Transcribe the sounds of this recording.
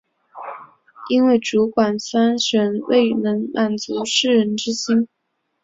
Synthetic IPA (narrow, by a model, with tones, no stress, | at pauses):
i˥nwe˥˩ɪʈ͡ʂu˧˥kwa˨˩nsa˥nʂə˧˥nwḛ˥˩ɪnɤ˧˥ŋmʔa˨˩nt͡su˧˥ʂɻ̩˥˩ɻə˧˥nʈ͡ʂɻ̩˥ɕi˥n